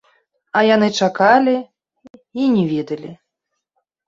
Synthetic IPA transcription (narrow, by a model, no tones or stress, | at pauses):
ɐjanɨt͡ʂakalʲi | inʲɛvʲɛd̪ɐlʲi